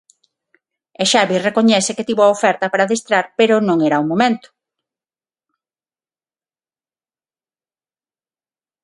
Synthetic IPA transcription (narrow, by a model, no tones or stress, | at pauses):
eʃaβirekoɲɛsɪket̪iβoaofɛɾt̪ɐpaɾaðest̪ɾaɾpeɾʊnõŋeɾaumomẽnt̪ʊ̥